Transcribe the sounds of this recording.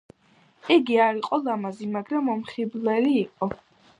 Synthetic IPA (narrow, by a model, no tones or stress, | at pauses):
iɡiaɾiqʼɔlˠamazimaɡɾamːɔmχiblɛliːqʼɔ